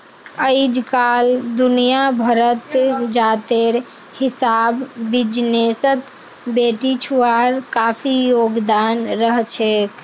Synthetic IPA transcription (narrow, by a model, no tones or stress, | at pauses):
əɪd͡ʒkald̪unijabʱəɾət̪d͡ʒat̪eɾ | hisabːid͡ʒnesət̪ | beʈit͡ʃʰuaɾkapʰijoɡd̪anɾəɦt͡ʃʰek